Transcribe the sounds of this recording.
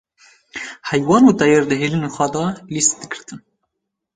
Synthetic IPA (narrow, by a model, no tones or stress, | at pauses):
hɛjwɑːnuːt̪ɛjeɾd̪ɨɦeːlɨnexʷæd̪ɑːlist̪̚d̪ɨɡɨɾt̪ʰɨn